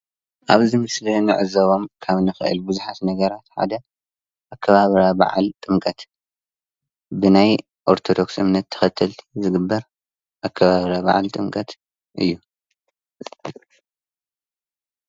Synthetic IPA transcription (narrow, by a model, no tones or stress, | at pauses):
ʔaβzɨmɨslɐnɨʕɨzɐβo̞mkʰaβnɨxɨʔɨ̰lbɨzuħat̪nɐɡɐɾat̪ħa̰d̪ɐ | ʔakʰːɐβaβɾaba̰ʕa̰lt̪ʼɨmkʼɐt̪ | bɨnaj | ʔo̞ɾt̪ʰo̞d̪o̞ksʔɨmnɐt̪ʰːɐ̥xɐt̪ʰːɐlt̪ʰi̥zɨɡɨbːɐɾ | ʔakʰːɐβaβɾaβa̰ʕa̰lt̪ʼɨmkʼɐt̪ | ʔɨ̰jːu